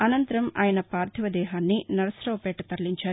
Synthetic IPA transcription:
ɐnɐnt̪ɐɾɐmaːjɐnɐpaːɾt̪ʰiʋɐd̪ɛːɦaːnːinɐɾɐsɾɐʋɐpɛːʈɐt̪ɐɾliɲt͡ʃaː

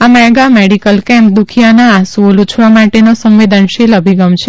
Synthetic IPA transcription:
amɛɡameɽikəlkɛ̃mp̚d̪ukʰijanaːsolut͡ʃʰʋamaʈenosə̃mʋed̪ʱənʃeləbʱiɡəmt͡ʃʰe

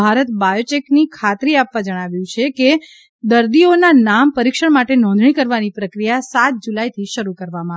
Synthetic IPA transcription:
aɾət̪bajot͡ʃeknikʰat̪ɾiapʋad͡ʒəɽ̃aʋjũt͡ʃʰeke | d̪əɾd̪ionanampəɾikʃəɽmaʈenɔ̃nd̪ɳ̃ikəɾʋanipɾəkɾijasat̪̚d͡ʒulajt̪ʰiʃəɾukəɾʋamãa

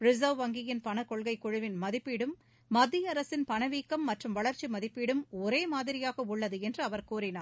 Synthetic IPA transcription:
ɾɪzɐʋʋɐŋɡɪjɪnpɐnɐkɔɭɣɐɪkːʊɻɯʋɪnmɐðɪpːiɽɯmː | ɐd̪ːijɐɾɐsɪnpɐnɐʋiːkːɐmːɐʈrɯmʋɐɭɐɾt͡ʃːimɐðɪpːiɽɯmɔɾeːmaːðɪɾɪjaːɣɐʊɭːɐðɯɛndrɯɐʋɐɾkuːɾɪnaːɾ

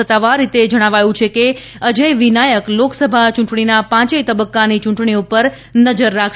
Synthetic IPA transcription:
ət̪ːaʋaɾːit̪ed͡ʒəɽ̃aʋajũt͡ʃʰeke | əd͡ʒəjʋinajəkloksəbʱat͡ʃũɳʈɳ̃inapãt͡ʃəjt̪əbəkːanit͡ʃũɳʈɳiupəɾ | nəd͡ʒəɾːakʰ

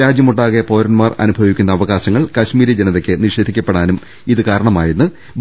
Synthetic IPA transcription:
aːd͡ʑjɐmuɳɖaːɣepo̞ːɾɐnmaːrɐ̰nubʱɐʋikʲːunːɐːʋɐɣaːɕɐŋːɐɭkɐɕmiːɾɐd͡ʑenɐðekʲːɨniʂe̞ːd̪ʱikʲːɐpːeɽaːnum | iðɨkaːɾɐɳɐmaːjinːɨ

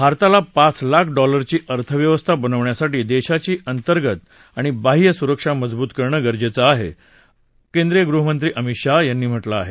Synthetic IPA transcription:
bʱaɾt̪alapat͡slakʰɖɔləɾt͡ɕiːʔəɾt̪ʰəʋjəʋəst̪ʰabənəʋɳjasaʈiːd̪eɕat͡ɕiːʔənt̪əɾɡət̪ | aɽ̃ibaɦijəsuɾəkʂaməd͡zbuːt̪kəɾɳəɡəɾd͡ʑet͡saaɦḛ | kend̪ɾijəɡɾuɦəmənt̪ɾiːʔəmiʈʂajanːiːm̤əʈlaːɦe

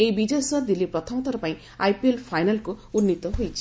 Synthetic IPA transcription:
ejbid͡ʒejsɔd̪ilipɾɔt̪ʰɔmɔt̪ʰɔɾɔpaĩ | ajpielpʰajnalkuunːit̪ɔɦojt͡ʃʰi̥

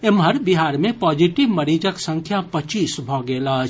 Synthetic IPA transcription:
ɪmɦəɾbiɦaːɾmẽpɔːd͡ʒiʈiʋməɾiːd͡ʒəksə̃ŋkʰjapət͡ʃiːsbʱɔːɡeːlaː

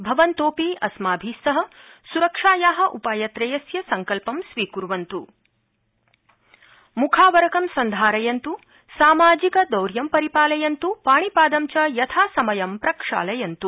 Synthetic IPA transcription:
bʱɐʋɐnt̪oːpiɐsmaːbʱiːsɐɦɐsuɾɐkʂaːjaːɦɐ̆ʔupaːjɐt̪ɾɐjɐsjɐsɐŋkɐlpɐmsʋiːkuɾʋɐnt̪u | mukʰaːʋɐɾɐkɐmsɐnd̪ʱaːɾɐjɐnt̪u | saːmaːd͡ʒikɐd̪ɐwɾjɐmpɐɾipaːlɐjɐnt̪upaːɳipaːd̪ɐmt͡ʃɐjɐt̪ʰaːsɐmɐjɐmpɾɐkʂa̰ːlɐjɐnt̪u

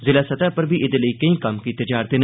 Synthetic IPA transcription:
zɪlaːsɐt̪aːpəɾbʱiʔɪd̪eləiːkɐĩːkɐmkit̪ɐd͡ʒaːɾd̪en

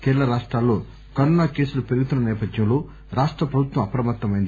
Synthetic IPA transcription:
kɛːlɐɾaːʂʈɾaːlːo̞ː | kɐnunaːkeːsulupeɾuɡut̪unːɐnɛːpɐd̪jɐmlo̞ː | ɾaːʂʈɾɐpɾɐbʱut̪wʋɐmɐpɐɾɐmɐt̪ːɐmɐjind̪

